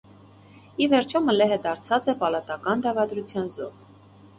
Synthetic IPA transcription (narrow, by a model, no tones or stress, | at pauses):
ivɛɾt͡ʃʰɔməlɛɦəd̪ɑɾt͡sʰɑt͡sɛpɑlɑt̪ɑkɑnd̪ɑvɑd̪ɾut͡sʰjɑnzɔ̰